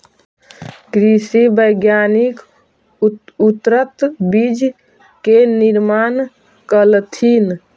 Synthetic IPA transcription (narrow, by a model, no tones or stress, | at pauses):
ɡɾisibəjɡjanik | ut̪ɾət̪bid͡ʒ | keniɾman | kəlt̪ʰin